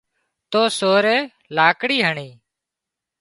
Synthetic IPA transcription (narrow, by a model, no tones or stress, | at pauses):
t̪oːsoːɾeː | laːkɽiːɦəɳiː